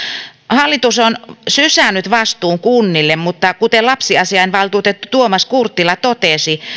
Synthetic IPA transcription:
hɑlːit̪usonsysænːˑyt̪ʋɑst̪uːŋkunːilːemmut̪ːɑkut̪elɑpsiɑsiɑinʋɑlt̪uːt̪et̪ːut̪uomɑskurt̪ːilɑt̪ot̪esi

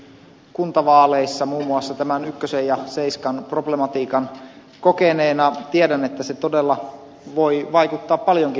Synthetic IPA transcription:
kunt̪ɑʋɑːleisːɑmuːmːuɑsːɑt̪æmænykːøsejɑseiskɑnproblemɑt̪iːkɑn | kokeneːnɑt̪iedænet̪ːæset̪odelːɑ | ʋoiʋɑikut̪ːɑːppɑljoŋki

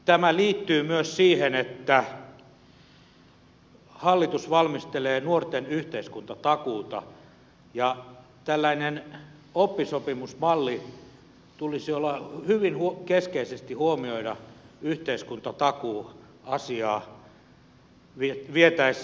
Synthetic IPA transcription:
t̪æmæliːt̪ːyːmyøssiːhenet̪ːæ | hɑlːit̪usʋɑlmist̪eleːnuort̪enyht̪eiskunt̪ɑt̪ɑkuːt̪ɑ̰ | jɑ | t̪ælːæinen | opːisopimusmɑlːi | t̪ulisiolːɑhyʋinhukeskeisest̪ihuomioiɾɑyht̪eiskunt̪ɑt̪ɑkuː | ɑsiɑː | ʋiʋiet̪æis

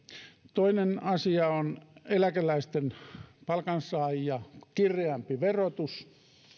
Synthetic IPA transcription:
t̪oinenɑsiɑonelækelæist̪enpɑlkɑnsɑˑjjɑkirˑeɑmpiʋerot̪us

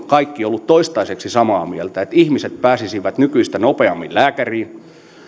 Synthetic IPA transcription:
kɑikːiolːut̪t̪oist̪ɑiseksisɑmɑːmielt̪æet̪ihmiset̪̚pæːsisiʋæt̪nykyist̪ænopeɑmːillæːkæriːn

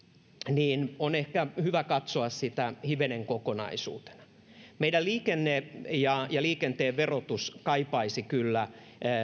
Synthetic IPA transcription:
niːnonehkæhyʋækɑt̪soɑssit̪æhiʋeneŋkokonɑ̰isṵːt̪e̥nɑ̥ | meiɾælliːkenːejɑjɑliːkent̪eːʋʋerot̪uskɑipɑisikylːæ

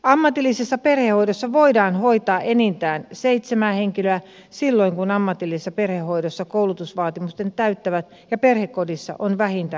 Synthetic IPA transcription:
ɑmːɑt̪ilːisesːɑperhehoidosːɑʋoidɑːnhoit̪ɑːʔenint̪æːnseit̪semæːheŋkiløæ | silːoiŋkunɑmːɑt̪ilːisesːɑperhehoidosːɑkoulut̪usʋɑːt̪imust̪ent̪æyt̪ːæʋæt̪ | jɑperhekːodisːɑ̰ʔonʋæhint̪æ

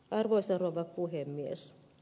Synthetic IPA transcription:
ɑrʋoisɑroʋɑppuhemːies

